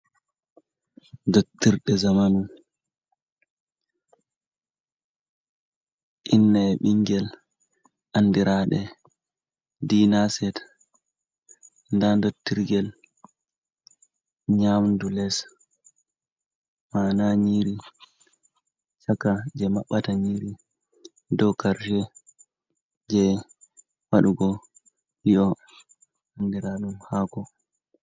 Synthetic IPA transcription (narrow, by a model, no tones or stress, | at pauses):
ndotːiɾɗɛzamanu | ʔinːaɓiŋɡɛl | ʔandiɾaːɗɛ | diːnasɛt | ndandotːiɾɡɛl | ɲamndulɛs | manaɲiɾi | t͡ʃakad͡ʒɛmaɓːataɲiɾi | dɔkaɾʃɛ | d͡ʒɛ | waɗuɡɔ | hiɔ | andiɾaɗumhakɔ